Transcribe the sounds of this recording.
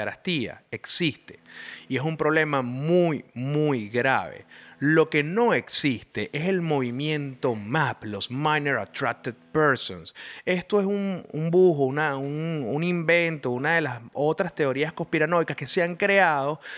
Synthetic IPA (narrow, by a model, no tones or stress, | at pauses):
eɾa̰st̪ia̰eksist̪e̞̥ie̞sumpɾo̞β̞le̞mamujmujɣɾa̰βe̞̰lo̞ke̞no̞e̞ksist̪e̞ʔe̞se̞lmo̞β̞imjẽ̞nt̪o̞maplo̞smajneɾa̰t̪ɾak̚t̪eð̚peɾsõ̰nse̞st̪o̞e̞sunumbuxounaununimbẽ̞nt̪o̞unaðe̞laso̞t̪ɾast̪e̞o̞ɾiasko̞spiɾano̞jkaske̞seaŋkɾe̞aðo̞